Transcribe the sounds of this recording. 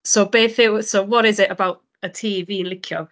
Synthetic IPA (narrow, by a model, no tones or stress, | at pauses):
sobeːθɪwsowɔɾɪzɪʔəbawt | ətʰiːviːnlˠɪkʰjɔ̰